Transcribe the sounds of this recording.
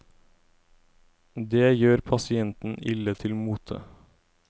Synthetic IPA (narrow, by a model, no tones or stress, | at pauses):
d̪eːjøːɾpʰɑsɪɛnt̪n̩ɪ̰lət̪ʰɪlmuːt̪ʰə̰